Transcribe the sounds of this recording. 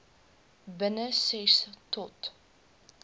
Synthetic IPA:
bənəsɛstɔt

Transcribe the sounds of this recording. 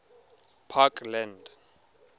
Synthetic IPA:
pʰakʼlɛnd

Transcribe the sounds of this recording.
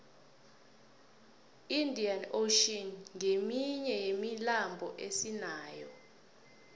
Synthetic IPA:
indʱianoʃiɔnŋemiɲɛjemilambʱɔʔesinaːjɔ

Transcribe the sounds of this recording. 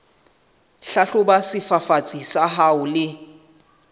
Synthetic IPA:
ɬaɬʊbasɪfafat͡sʼisaɦaʊlɪ

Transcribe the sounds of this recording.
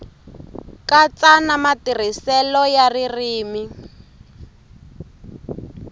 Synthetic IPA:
kat͡sanamatir̤isɛlɔjaririːmi

